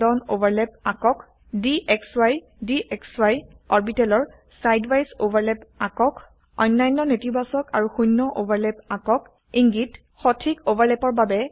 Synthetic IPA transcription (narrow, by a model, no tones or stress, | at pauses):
dɔnobaɹlɛp̚akɔk | diʔɛkswaj | diʔɛkswajɔɹbitɛlɔɹ | sajdwajsobaɹlɛpakɔk | ɔjnːajnːɔnetibasɔka̰ɹuxujnːɔʔobaɹlɛpakɔk | iŋɡit | xɔtʰikobaɹlɛpɔɹbabɛ